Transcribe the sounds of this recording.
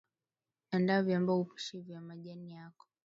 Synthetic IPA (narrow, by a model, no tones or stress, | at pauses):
andavjambaupi̥ʃivjamaʄanijakɔ̥